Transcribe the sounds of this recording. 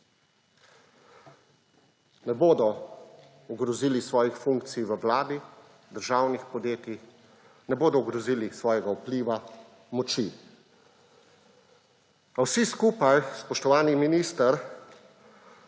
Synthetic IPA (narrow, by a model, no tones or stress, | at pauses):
nɛboːd̪ɔ | uɡɾɔziːlisʋɔːjixfuŋk̚t̪sijʋəwlaːd̪i | d̪əɾʒaːwnixpɔd̪jeːt̪ix | nɛboːd̪ɔɡɾɔziːlisʋɔːjɛɡaupliːʋa | mɔt͡ʃi | awsiskuːpajspɔʃt̪ɔʋaːniminist̪əɾ